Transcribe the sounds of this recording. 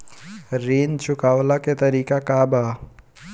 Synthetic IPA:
ɾiːnt͡ʃʰʊkaːwlaket̪ɐɾiːkakaːba

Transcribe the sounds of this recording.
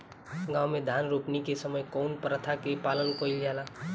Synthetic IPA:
ɡaːwmẽd̪ʱaːnɾuːpnikesəməjkɔːnpɾət̪ʰakepaːlənkoɪld͡ʒaːla

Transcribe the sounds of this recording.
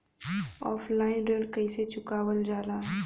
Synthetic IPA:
ɔ̰ːfʰlaːɪnɖəlkəiset͡ʃʊkaːwəld͡ʒaːlaː

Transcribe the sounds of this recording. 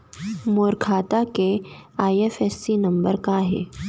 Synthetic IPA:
moːɾkʰaːt̪akeaːiefesːinəmbəɾkaɦḛː

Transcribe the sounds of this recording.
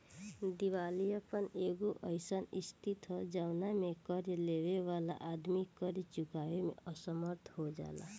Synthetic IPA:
d̪iwalijəpəneɡoʔəɪsənist̪ʰit̪ɦɔd͡ʒaʊnamekəɾjəleweʋala̰ʔad̪mikəɾit͡ʃukawemḛəsəməɾt̪ʰɦod͡ʒa̰ːla̰

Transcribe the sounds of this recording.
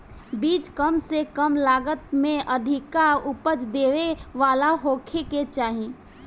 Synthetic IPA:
biːt͡ʃkəmsekəmlaːɡət̪mẽʔəd̪ʱɪkaʊpət͡ʃd̪eːʋeʋaːlaɦoːkʰeket͡ʃaːɦĩː

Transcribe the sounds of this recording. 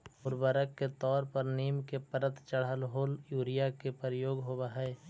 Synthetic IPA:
ʊɾbəɾəkːet̪ɔːɾpəɾniːmkepəɾət̪t͡ʃəɽəlɦoːljuːɾijakepəɾəjoːɡɦoːbaɦɛː

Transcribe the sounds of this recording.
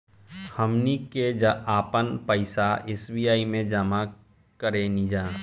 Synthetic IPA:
həmniked͡ʒaːpənpəɪsaeːsbiːjaːimẽd͡ʒəma | kəɾenid͡ʒãː

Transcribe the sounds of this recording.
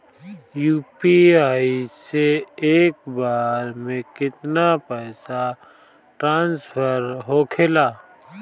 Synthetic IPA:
juːpiaːiseeːk̚baːɾmẽkɪt̪napɛːsa | ʈɾãːnspʰəɾɦokʰelaː

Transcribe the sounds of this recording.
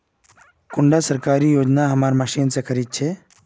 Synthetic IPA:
kʊɳɖasəɾkaːɾijoːd͡ʒnaɦɐmaːɾmɐʃiːnsekʰəɾit̪̚t͡ʃʰe

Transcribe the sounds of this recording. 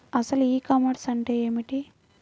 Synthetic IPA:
ɐsɐluiːkɐmɐʈsɐɳʈe̞ːeːmiʈi

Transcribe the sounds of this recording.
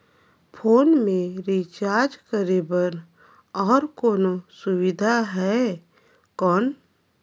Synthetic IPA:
pʰoːnmẽɾit͡ʃaːɾd͡ʒkəɾebən | ɔːɾkoːnosʊwɪd̪ʱaɦɛ | kɔːn

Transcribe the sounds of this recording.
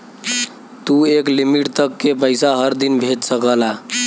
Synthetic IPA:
t̪ueklimiʈt̪əkːepəɪsaɦəɾd̪inbʱeʈsəkəla

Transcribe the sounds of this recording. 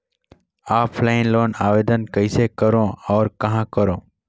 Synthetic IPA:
aːpflaːɪ̃nloːnaːʋeːd̪ənkəɪsekəɾõɔːɾkɐɦãkəɾõː

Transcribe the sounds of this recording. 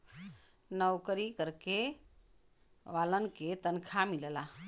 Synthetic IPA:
nəwkəɾikəɾke | ʋalənket̪ənkʰamilela

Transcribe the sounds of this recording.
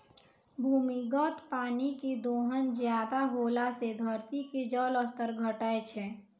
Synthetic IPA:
bʱuːmiɡət̪paːniked̪oːɦənzjaːd̪aɦoːlased̪ʱəɾt̪iked͡ʒəːləst̪əɾɡʱəʈaet͡ʃʰɛ

